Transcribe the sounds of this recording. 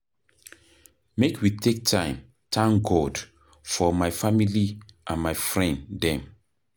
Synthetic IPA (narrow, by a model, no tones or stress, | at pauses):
mekʰwitʰek̚tʰãɪ̃m | tʰãŋɡɔd | fɔmaɪfamiliʔãnmaɪfɹɛ̃ndɛ̃m